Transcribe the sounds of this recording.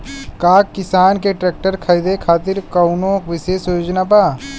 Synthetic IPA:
kaːkːɪsaːnkeʈɾeːk̚ʈəɾkʰaid̪ekʰaːt̪ɪɾkɐʊnõkʋɪʃeːsjoːd͡ʒnapaː

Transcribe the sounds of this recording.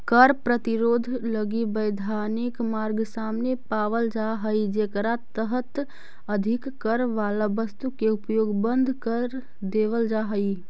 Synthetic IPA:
kəɾpɾət̪iɾod̪ʱləɡibəjd̪ʱanikmaɾɡsamnepaʋəld͡ʒaɦəjd͡ʒekɾat̪əɦət̪ | əd̪ʱikːəɾʋalabəst̪ukeupjoɡbənd̪ʱkəɾ | d̪eʋəld͡ʒaɦəj

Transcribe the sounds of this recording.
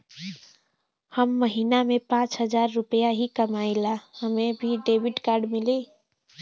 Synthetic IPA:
həmːəɦinamẽpãːt͡ʃɦəd͡ʒaːɾːʊpəjaɦikəmaːɪlahəmẽbʱiɖeːbɪʈkaːɾɖmɪli

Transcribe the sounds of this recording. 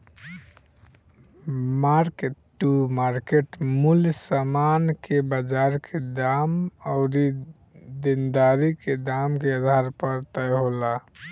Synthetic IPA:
maɾkeʈːumaɾkeʈmuljsamankebəd͡ʒaɾkʰed̪amɔʊɾi | d̪ind̪aɾiked̪amkead̪ʱaɾpəɾt̪əjɦola

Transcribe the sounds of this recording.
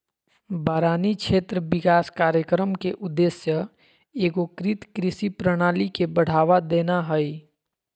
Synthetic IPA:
baɾanit͡ʃʰet̪ɾəbikaskaɾjəkɾəmkeʔud̪ːesjə | eɡokɾit̪kɾisipɾəɽ̃alikebəɽ̤aʋad̪enaɦəj

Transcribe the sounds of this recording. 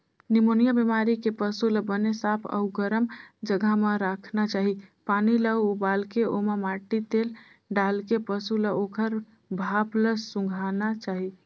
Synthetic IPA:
nimonijabimaɾikepəsuləbənesapʰə̰ɡəɾəmd͡ʒəɡʱameɾakʰnat͡ʃaɦipaniləuubalkeomemaʈit̪el | ɖalkepəsuləokəɾ | bʱapləsũŋɡʱanat͡ʃaɦi

